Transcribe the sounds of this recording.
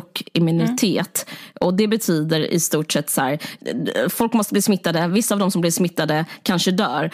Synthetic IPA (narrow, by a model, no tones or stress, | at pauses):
kːɪmɪnɪt̪ʰeːt̪ɔd̪ɛbɛt̪ʰyːd̪əɾɪ̰st̪uːʈʂɛt̪ːsæ̰ːɾ | fɔlkmɔst̪əbliːsmɪt̪ːad̪əvɪsːaːvd̪ɔmsɔmblɪɾʂmɪt̪ːad̪əkʰanʂəd̪œːɾ